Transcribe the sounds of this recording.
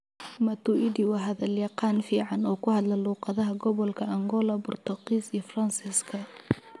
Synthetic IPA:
mɐt̪ʊʔid̪ɪwɑɦɐðɐljɑqɑːnfiːʕɑnɔːkʰʊhɐd̪lɐluːqɑðɐɦɐɡɔβɔlkʰɐʔɐŋɡɔlɐbʊrt̪ʰɐqiːsijɔfrɐnsɪskʰɐ

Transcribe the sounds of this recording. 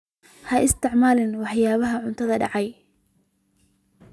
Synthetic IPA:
hɐʔɪst̪ʰɪʕmaːlɪnwɑħjaːβɐɦɐʕʊnt̪ʰɐðɐɖɑ̰ʕɑj

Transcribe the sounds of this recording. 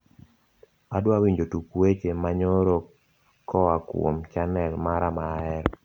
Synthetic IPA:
adwawiɲd͡ʒotukwet͡ʃemaɲoɾo | kʰːɔakwo̰mt͡ʃanɛlmaɾamaɛɾɔ

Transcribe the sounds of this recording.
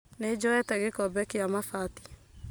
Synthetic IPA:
ned͡ʒɔɛtɛɣekɔbɛkeamafati̥

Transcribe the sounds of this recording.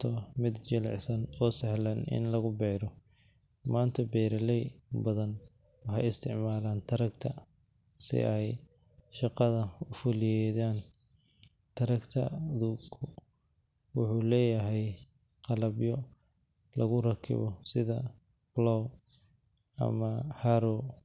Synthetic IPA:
t̪ʰɔmɪd̪t͡ʃɪlʕsɐnɔːsɛhlɐnɪ̰nlɐɣʊbɛːɾɔ | maːnt̪ʰɐbɛːɾɐlɛjbɐðɐn | wɑħɑjɪst̪ʰɪʕmaːlaːnt̪ʰɐɾɐkt̪ʰɐ | sɪ̰ʔɛj | ʃɑqɑðɐʊfʊlɪjɛðaːn | t̪ʰɐɾɐkt̪ʰɐ̰ðuːkʰʊ | wʊħuːlɛːjɐɦɛj | qɑlɐbjɔ | lɐɣʊrɐkʰɪ̰βɔsɪðɐ | blɔw | ɐ̰mɐħaɾɔ

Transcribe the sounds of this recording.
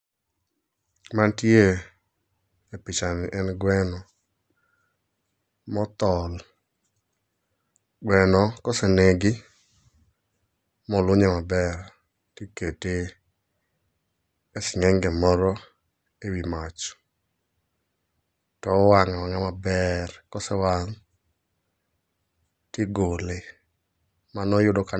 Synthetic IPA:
mantje | epɪt͡ʃanɪʔɛnɡwɛnɔ | mɔt̪ɔl | ɡwɛnɔkɔseneɡɪ | mɔlʊɲɛmabɛr | tikete | esɪŋɛŋɡɛmɔɾɔ | ewimat͡ʃ | tɔwaŋawaŋamabɛrkɔsɛwaŋ | tɪɡole | manɔjʊdɔka

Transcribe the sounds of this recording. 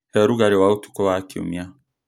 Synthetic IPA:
hɛɾuɡaɾɛwautu̥kɔwakiṵmia

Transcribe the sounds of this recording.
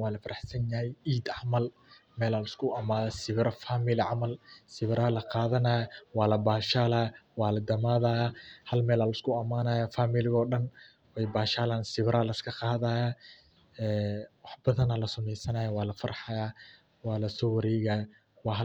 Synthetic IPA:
wɑːlɐfɐɾʔɑħsɐnjɐɦɛjiːd̪ʕɑmɐl | mɛːlaːlɪskʰʊɐmaːðɐsɪβɾɐfaːmɪlɪʕɑmɐlsɪβɪɾaːlɐqɑːðɐnaːjwɑːlɐbaːʃaːlaːwɑːlɐd̪ɐmaːðaːjahɐlmɛːlaːlɐskʰʊɐmaːnaːjafaːmɪlɪɣɔːɗɐn | wɛjbaːʃaːlaːnsɪβɾaːlɐɪskʰɐqɑːðaːjaː | ɛːwɑħb̥ɐðɐnɐlɐsʊmɛjsɐnaːjawɑːlɐfɐɾħɑjaː | wɑːlɐsɔːwɐɾɛːɣaːj | wɑːɦ

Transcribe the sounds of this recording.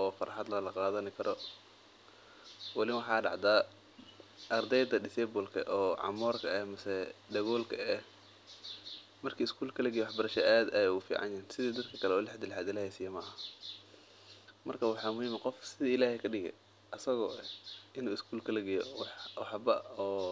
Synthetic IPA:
ʔɔːfɐ̰ɾħɑd̪lɐlɐqɑːðɐnɪkʰɐɾʔɔ | wɑlɪwɑħɑːɖɑ̰ʕd̪aː | ʔɐrd̪ɛjd̪ɐɖɪsɛbʊlkʰɐ̰ʔɔːʕɑ̰mɔːrkʰɐɛhmɐsɛɖɐɣɔːlkʰɐɛ | mɐrkʰiːɪskʰuːlkʰɐlɐɡɪjɛwɑħbɐɾɐʃɐʔaːd̪ɐjɛufḭːʕɑ̰njɐnsɪðiːd̪ɐd̪kʰɐkʰɐlɛɔːlɪħd̪ɪlħaːd̪ɪlɐhɛjsiːjɐmɐːɐ | mɐrkʰɐwɑħɑːmʊhiːmqɔfsɪðiːɪlaːhɛkʰɐɖɪɣɛ̰ | ʔɐsɐɣɔ̰ːʔɛɪnuːɪskʰuːlkʰɐlɐɡɪjɔwɑħwɑħbɐɔː

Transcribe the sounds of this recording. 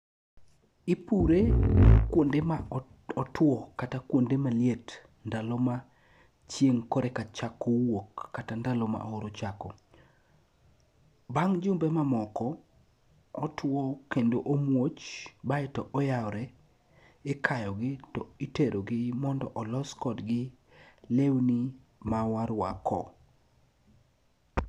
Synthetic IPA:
ɪpuɾekwondema | ɔtwɔkatakwondemaljet | ndaloma | t͡ʃjeŋkɔɾɛkat͡ʃakːowokːatandalɔma̰ʔooɾot͡ʃakɔ | baŋd͡ʒʊmbɛmamɔkɔː | twɔkendoʔomwot͡ʃbaɛtɔʔɔjaɔɾɛ | ɪkʰajɔɡɪtɔiteɾoɡɪmɔndɔ̰ʔɔlɔskɔdɡɪ | lewni | mawaɾwa̰kʰɔ̰

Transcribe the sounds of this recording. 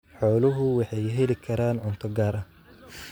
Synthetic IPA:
ħɔːlʊɦʊwɑħɑjɦɛlɪkʰɐɾaːnʕʊnt̪ʰɐɡaːɾʔɐh

